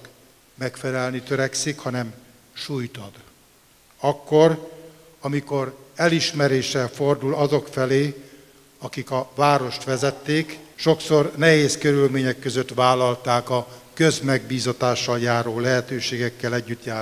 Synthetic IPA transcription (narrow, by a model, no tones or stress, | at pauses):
k | mɛkfɛlɛlnit̪øɾɛksikhɒnɛm | ʃujt̪ɒd̪̥ | ɒkːo̞r | ɒmiko̞ɾɛliʃmɛɾeːʃɛlfo̞rd̪ulɒzo̞kfɛleː | ɒkikɒvaːɾo̞ʃt̪ʋɛzɛt̪ːeːkʃo̞kso̞rnɛɦeːskøɾylmeːɲɛkːø̞zøt̪ʋaːlɒlt̪aːkɒkøzmɛɡbiːzɒt̪aːʃːɒljaːɾoːlɛɦɛt̪øːʃeːɡɛkːɛlɛɟːyt̪jaː